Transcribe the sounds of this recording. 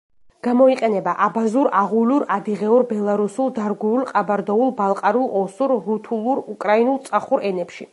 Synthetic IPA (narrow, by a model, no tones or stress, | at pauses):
ɡ̥amɔiqʼɛnɛbaʔabazuɾaʁuluɾad̪iʁɛuɾbɛlˠaɾusulˠd̪aɾɡɛulˠqʼabaɾd̪ɔulˠbalˠqʼaɾulˠɔsuɾɾut̪ʰulˠuɾukʼɾainulˠt̪sʼaχuɾɛnɛpʃi